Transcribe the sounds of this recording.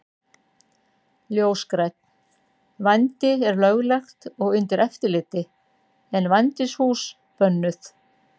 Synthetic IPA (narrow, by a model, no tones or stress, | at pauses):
ljoːwskɾɛt̪̚n | vajnt̪ɪɛɾlœɣlɛxt̪ɔɣʏnt̪ɪɾɛft̪ɪɾlɪːt̪ɪ | ɛnvajnt̪ɪshuːs | pœnːʏθ